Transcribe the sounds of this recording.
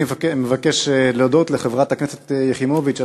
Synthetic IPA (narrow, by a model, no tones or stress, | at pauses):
vmevakeʃleodot̪leχevʁat̪hakneset̪jeχimovit͡ʃa